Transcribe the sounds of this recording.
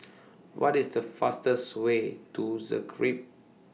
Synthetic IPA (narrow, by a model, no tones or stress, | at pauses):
wʔɔ̰tisdəfastəswetuzə̰ɡɹip̚